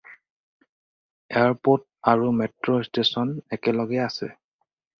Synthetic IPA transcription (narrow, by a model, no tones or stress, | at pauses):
ɛaɹpot̚ | aɹumɛtɹostesɔnɛkɛlɔɡɛasɛ̰